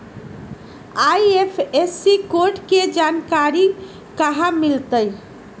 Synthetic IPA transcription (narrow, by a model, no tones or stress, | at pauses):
ajepʰesːikoɾʈked͡ʒankaɾi | kəɦãmilt̪əj